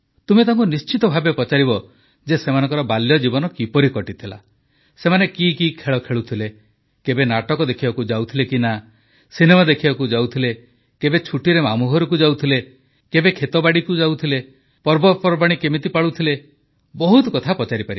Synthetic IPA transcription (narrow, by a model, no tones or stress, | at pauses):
t̪umet̪ʰaŋkunist͡ʃit̪ɔbʱabepɔt͡ʃaɾiβɔ | d͡ʒesemanɔ̃ŋkɔɾɔbaljɔd͡ʒibɔnɔkipɔɾikɔʈit̪ʰila̰ | semanekikikʰeɭɔkʰeɭut̪ʰile | kebenaʈɔkɔd̪ekʰibakud͡ʒawt̪ʰilekina | sinemad̪ekʰibakud͡ʒawt̪ʰile | kebet͡ʃʰuʈiɾemamuɦɔɾɔk̬ud͡ʒawt̪ʰile | kebekʰet̪ɔbaɽikud͡ʒawt̪ʰile | pɔɾbɔpɔɾɔbaɽ̃ikemit̪̬ipaɭut̪ʰile | bɔɦut̪ɔkɔt̪ʰapɔt͡ʃaɾipaɾi